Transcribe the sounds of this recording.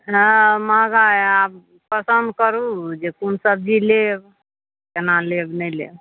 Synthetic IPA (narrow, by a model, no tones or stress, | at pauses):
ɦəmaɡaab̚ | pəsənd̪̚kəɾud͡ʒekunsəb̚d͡ʒileb | kenalebnəjlḛb